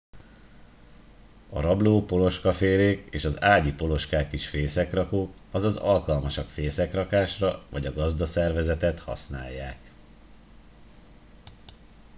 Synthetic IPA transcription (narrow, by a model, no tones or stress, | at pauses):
ɒ̰ɾɒbloːpo̞lo̞ʃkɒfeːleːkeːʃɒzaːɟipo̞lo̞ʃkaːkiʃfeːsɛkrɒkoːk | ɒzɒzɒlkɒlmɒʃɒkfeːsɛkrɒkaːʃrɒvɒɟɒɡɒzd̪ɒsɛrvɛzɛt̪ɛt̪hɒ̰sna̰ːjːaːk